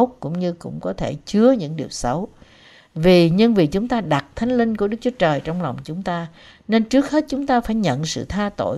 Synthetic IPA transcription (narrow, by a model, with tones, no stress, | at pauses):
k͡p̚kʊ̰˧˥ŋ͡mɲɨ˧kʊ̰˧˥ŋ͡mkɔ˨˦t̪ʰe˧˩t͡ɕɨ˨˦əɲɨ̰˧˥ŋɗi˨˩əwsə˨˦w | vi˨˩ɲə˧nvḭ˨t͡ɕʊ˨˦ŋ͡mt̪aː˧ɗa˨˩t̚t̪ʰa˨˦jŋ̟lï˧ŋku˧˩ɗɨ˦˥k̚t͡ɕu˨˦t͡ɕəː˨˩jt͡ɕwŋ͡mla˨˩wŋ͡mt͡ɕʊ˨˦ŋ͡mt̪aː˧ | ne˧nt͡ɕɨ˦˥ək̚he˦˥t̚t͡ɕʊ˨˦ŋ͡mt̪aː˧faː˧˩jɲə̰˧˨nsɨ̰˧˨t̪ʰaː˧t̪o̰˧˨